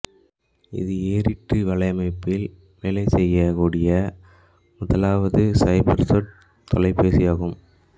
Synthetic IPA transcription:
ɪ̰ðɯeːɾɪʈːɯʋɐɭɐɪmɐɪpːɪl | ʋeːlɐɪsɛjːɐkuːɽɪjɐ | mʊðɐlaːʋɐðɯsɐɪbɐɾsoʈ̚ | t̪ɔlɐɪpeːsɪjaːɣɯm

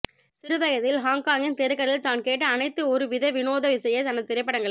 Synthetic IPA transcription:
sɪɾɯʋɐjɐðɪlɦaːŋkaːŋɪnt̪ɛɾɯkːɐɭɪlt̪aːnkeːʈːɐːnɐɪt̪ːɯɔɾɯʋɪðɐʋɪnoːðɐʋɪsɐjɐt̪ɐnɐðt̪ːɪɾɐɪpːɐɽɐŋɡɐɭ

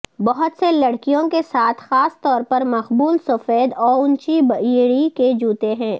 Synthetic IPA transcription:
bɐɦʊt̪selɐɽkijõkesaːt̪ʰxaːst̪ɔːɾpɐɾmɐxbuːlsʊfeːd̪ɔːɾʊnt͡ʃibɐjeɽiked͡ʒuːt̪eɦɛ̃ː

